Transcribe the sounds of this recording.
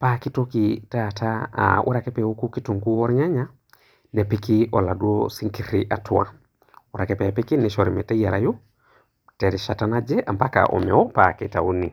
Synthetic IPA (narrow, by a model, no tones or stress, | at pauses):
pakitokitata̰ʔṵɾakɛpɛukukituŋkuwɔɾɲaɲa | nepikiʔɔladuosiŋkiɾiʔatuwa̰ | uɾʔakɛpɛapikiniʃoɾimɛtajaɾaju | teɾiʃatanad͡ʒɛʔampaka̰ʔɔ̰mɛwɔpaːkɛtauni